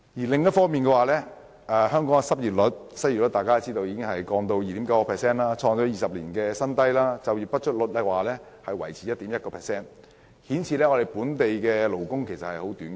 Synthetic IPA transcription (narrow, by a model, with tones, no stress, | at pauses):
jiː˨˩lɪ˨ŋjɐ˥t̚fɔː˥ŋmiː˨nkɛː˧waː˨˩lɛː˥ | ʔɛː˨˧hœː˥ŋkɔː˨˥ŋɛ˧sɐ˥p̚jiː˨˩t̚lɵ˨˥t̚sɐ˥i˨˩lɔ˦˥t̪aː˨jkaː˥t͡siː˥t̪o˧wjiː˧kɪ˥ŋhɐ˨jkɔː˧ŋt̪o˧wjiː˨t̪iː˨˥kɐ˨˥wkɔ˧pʰɛː˨ksɛː˥nlaː˥t͡sʰɔː˧ŋt͡ʃɔː˨˥jiː˨sɐ˨p̚liː˨˩nkɛː˧sɐ˥nt̪ɐ˥jlaː˥t͡sɐ˨wjiː˨˩pɐ˥t̚t͡ʃʰɵ˥t̚lʊ˨˥t̚lɛ˧˥waː˨˩lɛː˥ | hɐ˨jwɐ˨˩jt͡sʰiː˨˦jɐ˥t̚t̪iː˨˥mjɐ˥t̚kɔː˧pʰɛː˨ksɛː˥˩n | hiː˨˥nt͡sʰiː˨˧lɛː˥ŋɔː˨˧ɾe˨jpuː˨˥nt̪e˨jkɛː˧lo˨˩wkʊ˥ŋkʰe˨˩jsɐ˨t̚hɐ˨jho˨˥wt̪yː˨˥n˧